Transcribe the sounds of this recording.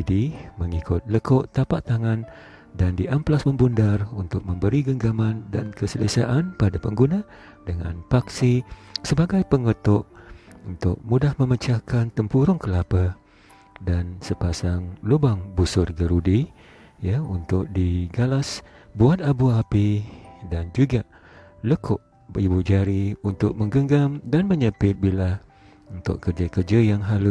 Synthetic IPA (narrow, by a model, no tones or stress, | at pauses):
diməŋikʰʊt̪̚ləkʊʔt̪apaʔt̪aŋan | dandiʔamplasməmbundarunt̪ʊk̚məmbəɾiɡəŋɡamandankəsələsaʔanpadapəŋɡuna | dəŋa̰npak̚sisəbaɡajpəŋət̪ʊʔunt̪ʊ̰k̚mudahməmət͡ʃakant̪əmpuɾʊŋkəlapə | dansəpasaŋlubaŋbusʊrɡəɾudi | jaunt̪ʊk̚diɡalas | buat̪̚abuapidand͡ʒuɡa | ləkʊʔ | ibud͡ʒaɾiunt̪ʊk̚məŋɡəŋɡamdanməɲəpɪt̪̚bila | unt̪ʊ̰ʔkərd͡ʒakərd͡ʒajaŋɦalu